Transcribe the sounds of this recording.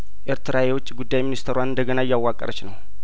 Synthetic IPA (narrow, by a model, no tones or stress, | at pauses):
ʔeɾt̪ʰɨɾajɛwut͡ʃʼːiɡud̪ːajminist̪ʰəɾwanɨnd̪əɡənajːawːakʼːə̰ɾət͡ʃːnəw